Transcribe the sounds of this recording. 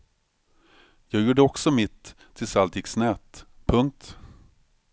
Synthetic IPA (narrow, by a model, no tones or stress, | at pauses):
jɑːɡjuːɖəɔksɔmɪt̪ʰː | ɪlsalt̪jɪksnɛːt̪pʰɵŋk̚t̪